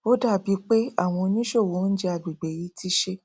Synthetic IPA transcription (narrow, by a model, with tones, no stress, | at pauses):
o˦da˦˨bi˨˦k͡pe˦a̰˦˨w̃ɔ̃˧o˧nĩ˦ʃo˦˨wo˨˦n̩˦d͡ʒe˧a˧ɡ͡bi˨ɡ͡be˨ji˨˧˦ti˦ʃe˧